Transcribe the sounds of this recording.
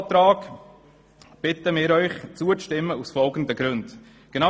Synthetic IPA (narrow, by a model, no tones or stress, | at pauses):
t̪ɾɑːk | b̥ɪtəmɪːɾœʏχt͡suət͡stɪmːəusfɔlɡən̩dəɡ̥ɾʉnd | ɡ̥ena